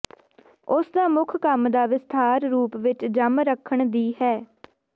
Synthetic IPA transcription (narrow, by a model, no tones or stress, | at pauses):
ʊsd̪aːmʊkʰkəmd̪aːʋɪst̪ʰaːɾɾuːpʋɪt͡ʃd͡ʒəmɾəkʰəɳd̪iːɦɛː